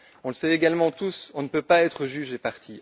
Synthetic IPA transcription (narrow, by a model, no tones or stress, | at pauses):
ɔ̃ləsɛeɡalmɑ̃t̪usɔ̃nəpøpaɛt̪χəʒyʒepaʁt̪ʰi